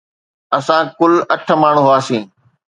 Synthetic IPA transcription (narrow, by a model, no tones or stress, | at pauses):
ɐsãːkʊlɐʈʰə̆maːɳ̤uɦʊaːsĩː